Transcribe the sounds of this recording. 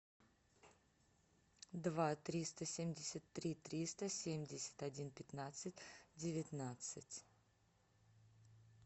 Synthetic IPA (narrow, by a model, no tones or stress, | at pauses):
d̪vat̪ɾʲist̪əsʲemʲdʲɪsʲət̪ːɾʲit̪ɾʲist̪əsʲemʲdʲɪsʲɪ̥t̪ɐdʲinpʲɪt̪nat̪sɨtʲdʲɪvʲɪt̪nat̪sɨtʲ